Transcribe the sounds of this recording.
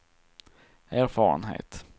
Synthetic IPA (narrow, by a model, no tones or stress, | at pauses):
æːɾfɑːɾə̰nɦḛːt̪